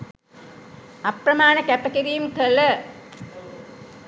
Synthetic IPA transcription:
ɐprɐmaːnɐkæpɐkiɾijumkələ

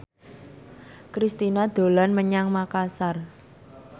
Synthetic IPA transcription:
kɾist̪inad̪̥o̤lanməɲaŋmakasar

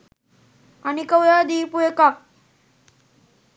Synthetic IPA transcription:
anikəwjad̪iːpueka

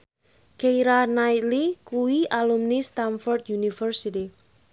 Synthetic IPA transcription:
kejɾanait̪likuwiʔalumnist̪anfɔrd̪junifərsiti

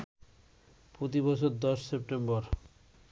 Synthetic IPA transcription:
pɾot̪̬ibɔt͡ɕʰoɾd̪ɔʃsep̚ʈembɔɾ

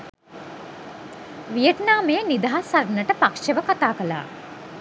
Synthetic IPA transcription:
ʋijət̪naːmejənid̪aɦasaɾnəʈəpakʂəʋəkat̪aːkəla̰ː

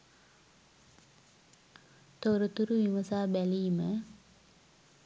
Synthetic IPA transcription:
t̪oɾət̪uɾuʋimɐsaːbælijmə

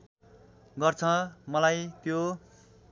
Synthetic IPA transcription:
ɡʌrt͡sʰʌmʌlajt̪jo

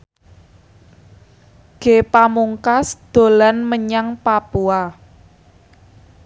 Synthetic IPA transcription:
ɡ̥epamuŋkasd̪̥o̤lanməɲaŋpapua

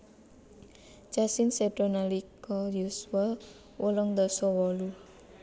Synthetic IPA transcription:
t͡ʃasɪnsɛɖɔnalikɔjuswal | wɔlɔŋd̪ɔsɔwɔlu

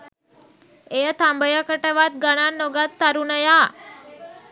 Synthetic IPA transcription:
eət̪ʰambəjakəʈəʋat̪̚ɡəɽ̃anːɔɡat̪ːaɾunəja

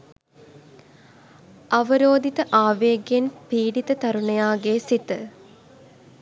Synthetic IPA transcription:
ɐʋəɾoːd̪ʱit̪əʔaːʋeːɡjenpiːɖit̪ət̪ɐɾunejaːɡeːsit̪ə

